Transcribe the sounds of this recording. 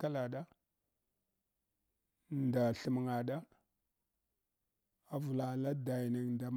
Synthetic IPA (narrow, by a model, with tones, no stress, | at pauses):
ka˦la˨ɗa˦ | nda˨ɬə˨mə˨ŋa˨ɗa˦ | a˨vu˨la˨la˦da˨jnə˨ŋnda˨m